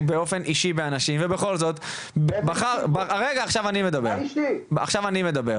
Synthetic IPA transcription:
beofe̞nʔiʃibeanaʃimvebeχo̞lzo̞t̪ | bbaχaʁbaaʁeɡaːχʃavanime̞d̪abeʁa̰χʃavanime̞d̪abe̞ʁ

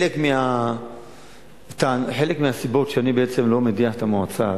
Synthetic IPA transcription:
lekmea | t̪aħe̞lekmiasibo̞tʃeanibeet͡se̞mlo̞mediaħet̪amuat͡sa

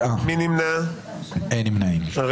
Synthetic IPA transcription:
aminimna | enimnaĩmʁ

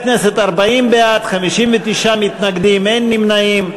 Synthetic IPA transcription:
knɛset̪aʁbaimbeat̪χamiʃimvet̪iʃamit̪naɡd̪imenːimnaim

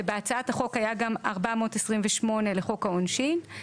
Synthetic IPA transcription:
ebeat͡saathaχo̞khajaɡamaʁbamo̞ːtesʁimveʃmo̞ne̞leχo̞kaonʃin

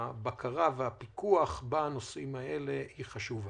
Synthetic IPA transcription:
bakʰaʁaveapikuaχbanosʔimae̞le̞hiχaʃuva

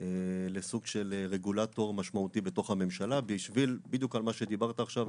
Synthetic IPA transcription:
elesuɡʃe̞lʁeɡulat̪o̞ʁmaʃmaut̪ibet̪o̞χhame̞mʃalabiʃvilbid̪jukalmaʃe̞d̪ibaʁt̪aːχʃav

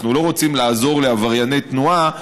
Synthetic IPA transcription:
nulo̞ʁot͡simlaːzo̞ʁle̞avaʁjane̞jt̪nua

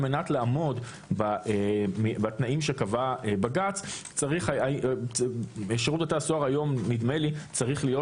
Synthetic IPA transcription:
me̞natlaamo̞d | baemibat̪naʔimʃekavaebaɡat͡st͡saʁiχaai | eʃeʁutat̪asoaʁajo̞mːid̪melit͡saʁiχlijo̞

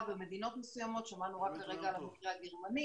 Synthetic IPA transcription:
beme̞d̪ino̞t̪mesujamo̞t̪ʃamanuʁakːaʁeɡaːlamikʁeaɡeʁmani

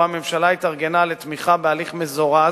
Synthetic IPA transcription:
amemʃalait̪aʁɡe̞nalet̪miχabealiχmezoʁa

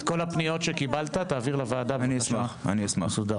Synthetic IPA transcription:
ko̞lapnijo̞tʃe̞kibalt̪at̪aːviʁlavaːd̪aaniasmaχa̰niasmasuda

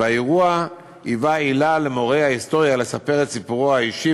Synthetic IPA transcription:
aeʁua | ivailale̞mo̞ʁejhaist̪o̞ʁjale̞sape̞ʁet̪sipuʁohaiʃi

